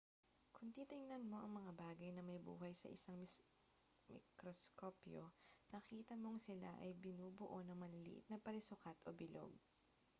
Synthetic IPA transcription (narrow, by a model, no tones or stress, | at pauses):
kʊŋt̪iːt̪ɪŋnɐnmo̞ʔɐŋmɐŋabaːɡɐjnɐmɐjbṵːɦɐjsɐ̰ʔɪ̰saŋm | mɪ̰kɾoskopjonɐkiːt̪ɐmo̞ŋsɪla̰ʔɐjbɪnuːbʊʔonɐŋmɐlɪlḭʔɪ̰t̪̚nɐpɐlɪsʊkat̪ʔobɪlo̞̰ɡ̚